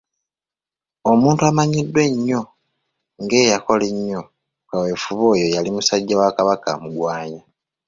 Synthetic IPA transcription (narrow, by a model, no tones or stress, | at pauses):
o̞muːntuamaɲidːwe̞ɲːo̞ | ŋɡe̞ːjako̞le̞ɲːo̞ | kawe̞fuβo̞ːjo̞jalimusaɟːawakaβaka̰muɡwaːɲa